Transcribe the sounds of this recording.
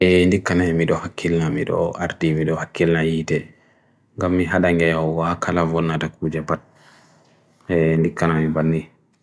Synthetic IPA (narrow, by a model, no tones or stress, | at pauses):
ʔɛndikːanamiɗɔhakʰːilnamḭɗɔ̰a̰ɾtimiɗɔhakːilnajiːtɛ | ŋɡamːiɦaɗaŋɡɛhɔwakʰalavɔnːatakʰuːd͡ʒɛpat̚ | ɛndikːanamibanːi